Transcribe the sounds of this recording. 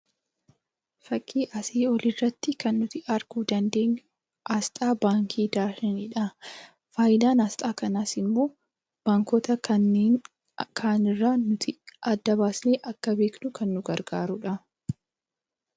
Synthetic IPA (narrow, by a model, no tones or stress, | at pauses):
fɐkʼːiːʔɐseːɔlɪrːɐt̪ːɪkɐnːʊt̪ɪʔɐɾɡuːd̪ɐnd̪e̞ːɲːʊ | ʔɐst̪ʼaːbaːŋkʰiːd̪aːʃɛnɪᶑɐ | faːjɪd̪aːnɐst̪ʼaːkɐnaːsɪmːo̞ː | b̥aːŋkɔt̪ɐɐnːeːn | kʰaːnɪrːaːnʊt̪ʰɪʔɐd̪ːɐbaːsneːʔɐkːɐbe̞ːknʊkʰɐnːʊɡɐɾɡaːɾʊᶑɐ